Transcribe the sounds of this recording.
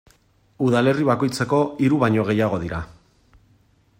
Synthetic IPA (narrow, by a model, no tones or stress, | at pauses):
uðale̞riβ̞ako̞jt͡se̞ko̞iɾuβaɲo̞ɣ̞e̞jaɣ̞o̞ðiɾa